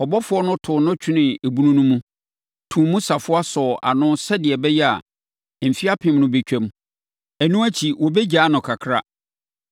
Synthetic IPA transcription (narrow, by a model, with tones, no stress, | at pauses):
ɔ˨bɔ˦fʊ˦ɔ˦nʊ̃˦tʰʊ˨nʊ̃˦t͡ɕᶣʰɪ˦nɪ̃˨e˨bu˦nũ˦nũ˦mũ˦ | tʰũ˨mũ˦sa˨fʊ˦a˦sɔ˨ʔa̰˨nʊ̃˦sɛ˦dɪ˨ɛ˨bɛ˦jɛ˦a̰˨ | m̩˨fi˦a˦pʰɪ̃˦mnʊ̃˦be˦t͡ɕᶣɛ̃˦m | æ˨nũ˦æ˦t͡ɕʰi˨wɔ˨bɛ˦d͡ʑaː˦nʊ̃˨kʰa˨kʰɾa˦